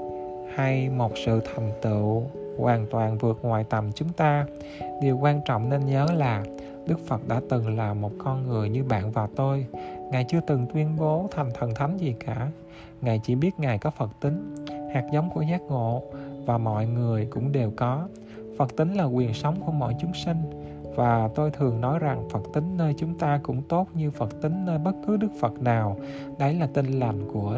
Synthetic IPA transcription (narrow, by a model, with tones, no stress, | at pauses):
ha˧jmo˨˩t̚sɨ̰˧˨t̪ʰa˨˩jŋ̟t̪ɨ̰˧˨ | kwaː˨˩nt̪waː˨˩nvɨ˨˩ək̚ŋwa̰ː˨jt̪ə˨˩mt͡ɕʊ˨˦ŋ͡mt̪aː˧ | ɗi˨˩əwkwaː˧nt͡ɕɔ̰˧˨wŋ͡mne˧nɲəː˨˦laː˨˩ | ɗɨ˦˥k̚fə˨˩t̚ɗa̰ː˧˥t̪ɨ˨˩ŋlaː˨˩mo˨˩t̚kɔ˧nŋɨ˨˩əjɲɨ˧ɓa̰ː˧˨nvaː˨˩wt̪o˧jŋaː˨˩jt͡ɕɨ˧ət̪ɨ˨˩ŋt̪wi˧ənɓo˨˦t̪ʰa˨˩jŋ̟t̪ʰə˨˩nt̪ʰa˨˦jŋzi˨˩kaː˧˩ | ŋaː˨˩jt͡ɕḭ˧˩ɓi˦˥ət̚ŋaː˨˩jkɔ˨˦fə˨˩t̚t̪ï˨˦ŋ̟haː˨˩k̚zə˨˦wŋ͡mku˧˩əzaː˦˥k̚ŋo̰˧˨vaː˨˩mɔ̰˧˨jŋɨ˨˩əjkʊ̰˧˥ŋ͡mɗe˨˩wkɔ˨˦ | fə˨˩t̚t̪ï˨˦ŋ̟laː˨˩kwi˨˩ənsa˨˦wŋ͡mku˧˩əmɔ̰˧˨jt͡ɕʊ˨˦ŋ͡msï˧ŋ̟ | vaː˨˩t̪o˧jt̪ʰɨ˨˩əŋnɔ˨˦jza˨˩ŋfə˨˩k̚t̪ï˨˦ŋ̟nəː˧jt͡ɕʊ˨˦ŋ͡mt̪aː˧kʊ̰˧˥ŋ͡mt̪o˦˥t̚ɲɨ˧fə˨˩k̚t̪ï˨˦ŋ̟nəː˧jɓə˦˥t̚kɨ˨˦ɗɨ˦˥k̚fə˨˩t̚naː˨˩w | ɗə˨˦jlaː˨˩t̪i˧nla˨˩jŋ̟ku˧˩ə